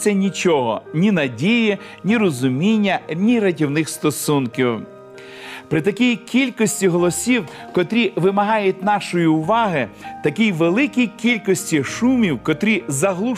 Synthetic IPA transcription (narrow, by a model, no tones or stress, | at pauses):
ɐnʲit͡ʃɔɦɔ̰nʲinɐdʲiji | nʲirɔzʊmʲinʲːɐnʲiɾɐtʲiwnɪxst̪ɔsunkʲiw | pɾɪt̪ɐkʲijkʲilʲkɔsʲtʲiɦɔlˠɔsʲiw | kɔt̪ɾʲiʋɪmɐɦɑjʊtʲnɑʃɔjiʊʋɑɦɪt̪ɐkʲijʋelˠɪkʲijkʲilʲkɔsʲtʲiʃumʲiwkɔt̪ɾʲizɐɦlˠu